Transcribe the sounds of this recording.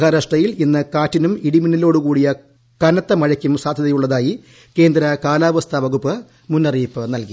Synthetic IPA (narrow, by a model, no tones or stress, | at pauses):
ɣɐɾɐʂʈɐjilinːɨkaːtːinumiɽiminilo̞ːɽukuːɽijɐ | kɐnɐt̪ːɐmɐɻɐkʲːumsaːd̪ʱjɐðɐjuɭːɐðaːji | ke̞ːnd̪ɾɐkaːlaːʋɐst̪ʰɐʋɐɣupːɨ | munːɐriːpːɨnɐlki